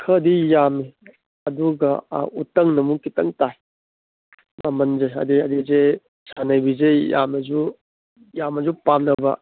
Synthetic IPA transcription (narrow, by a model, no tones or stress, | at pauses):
kʰədijami | ɐduɡɐ̰utɐŋnɐmukitɐŋtaj | mamɐnzajɐ̰diɐdize | sʰanɐjbizeja̰mɐd͡ʒu | jamɐd͡ʒupamnɐbɐ̰